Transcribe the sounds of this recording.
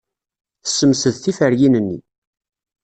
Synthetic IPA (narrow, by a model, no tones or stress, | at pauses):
θə̥sːəmsəðθifəɾjinənːḭ